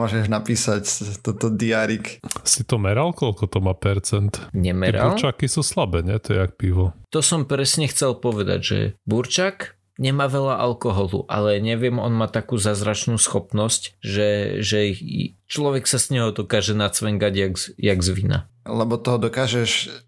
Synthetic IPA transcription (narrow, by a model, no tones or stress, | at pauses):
ɔʒɛʒnapiːsact̪ɛt̪ɔd̪iaɾiksit̪ɔmɛɾalkɔlkɔt̪ɔmaːpɛɾt͡sɛnt̪ɲɛmɛɛɾab̰uɾɾlt͡ʃakisuslabɛːɲɛt̪ɔɛak̚piʋɔt̪ɔsɔmpɾɛsɲɛxt͡sɛlpɔʋɛd̪a̰ɟʒɛ̰buɾt͡ʃak | ɲɛmaːʋɛʎaʔalkɔɦɔlṵʔa̰lɛɲɛʋɪɛmɔnmaːt̪akuːzaːzɾat͡ʃnuːsxɔpnɔscʒɛʒɛt͡ʃlɔʋɛksaz̥ɲɛɦɔd̪ɔkaːʒɛnat͡sʋɛŋɡaɟjaɡjaɡzʋina̰lɛbɔt̪ɔɦɔd̪ɔkaːʒɛʃ